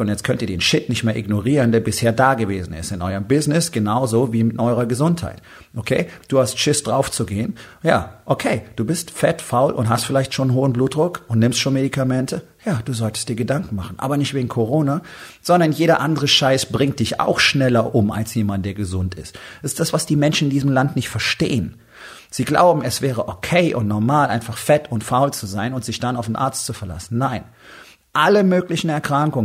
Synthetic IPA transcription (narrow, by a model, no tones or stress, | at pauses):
ʊntjɛt͡stkʰœntiːɐdeːnʃɪtnɪçtmeːɐʔɪɡnoʁiːʁəndeːɐbɪsheːɐdaːɡəveːzn̩ɪ̰stɪnʔɔʏʁəmbɪznɪsɡ̥ənaʊzoviːmɪtʔɔʏʁɐɡəzʊntha̰ɪt | ʔokʰeːd̥uːhastʃɪsd̥ʁaʊft͡suɡeːən | jaːʔokʰeːd̥uːbɪstfɛtfaʊlʔʊ̰ntɦhastfɪlaɪçtʃoːnnɦoːənbluːt̚d̥ʁʊkʔʊntnɪmstʃoːnmedikʰamɛntʰə | jaːd̥uːzɔltə̥std̥iːɐɡədaŋkŋ̩maχn̩ʔa̰ːbɐnɪçtv̥eːɡŋ̩kʰoʁ̞oːnaz̥ɔndɐnjeːɾɐʔandəʁ̞əʃaɪsb̥ʁɪŋt̚d̥ɪça̰ʊxʃnɛlɐʔʊma̰lsjeːmandnd̥eːɐɡəzʊntɪ̰std̥ɛsɪstd̥asv̥asd̥iːmɛnʃn̩ɪndiːzəmlantnɪçtfɛɐʃtḛːən | z̥iːɡla̰ʊbm̩ɛsv̥ɛːʁ̞əʔokʰɛɪʔʊ̰ntnɔɐmaːlʔaɪnfaχfɛtʊntfaʊlt͡suzaɪnʊntz̥ɪçd̥anaʊfenʔa̰ɐt͡stt͡sufɛɐla̰sn̩naɪn | ʔaləmøːklɪçn̩ɛɐkʁ̥aŋkʊŋ